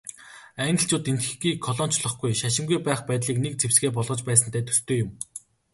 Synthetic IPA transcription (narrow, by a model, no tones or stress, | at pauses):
æːnʲɪ̆ɬt͡ɕʊːt̪ent̪ɡɘ̥̆xɡiːkʰːɔɮɔn̥t͡ɕɮɞ̆χɡujʃaʃɪ̆ŋɡujpæːχpæːt̪ɮiːknek̚t͡sʰewsɡeːp̬ɔɮʁɞ̆t͡ɕpæːsə̆nt̪ʰæːt̪ʰɵ̥st̪oːjʊm